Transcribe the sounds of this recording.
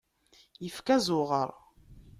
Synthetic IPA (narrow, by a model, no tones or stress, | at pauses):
jəfkæzʊʁə̰ɾˤ